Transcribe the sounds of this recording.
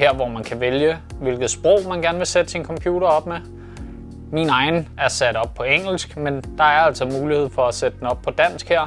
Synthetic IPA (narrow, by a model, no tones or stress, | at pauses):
heɐ̰ʋɒmænkʰæʋeljəʋe̝lɡ̥ð̩ˠsb̥ʁɔʊ̰mænɡ̥æɐnəʋe̝sed̥əsinkʰɒ̽mpʰjuːɾɐɒ̽b̥̚me | minɑ̈ɪn̩æɐsæd̥ɒ̽b̥̚pʰɒ̽eŋ̰l̩sɡ̥mend̥ɑ̈æɐæl̰sɒmuːlihe̝ð̞̰ˠfɒ̽æsed̥əd̥en̩ɒ̽b̥̚pʰɒ̽d̥æn̰sɡ̥heɐ̰